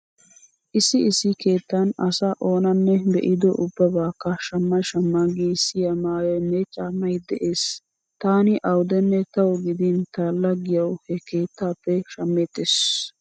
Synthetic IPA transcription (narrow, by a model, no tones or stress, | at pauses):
ʔɪsɪɪsːɪke̞ːt̪ːɐnɐsɐʔo̞ːnɐnːɛbɛ̰ʔɪd̪ɔ̰ʔʊbːɐbaːkːɐʃɐmːɐʃɐmːaɡisɪjɐmaːjɛnːɛt͡ʃʼaːmːɐjd̪ɛʔe̞ːs | t̪aːnɪʔɐwd̪ɛnːɛt̪ɐwɔɡɪd̪ɪnt̪aːlːɐɡɪjɐwhɛke̞ːt̪ːaːpːɛʃɐmːeːt̪ːes